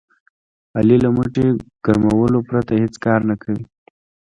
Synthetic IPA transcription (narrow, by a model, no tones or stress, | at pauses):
alilamuʈeɡ̥aɾmawəlopɾat̪ahet͡skɑɾnakʰawi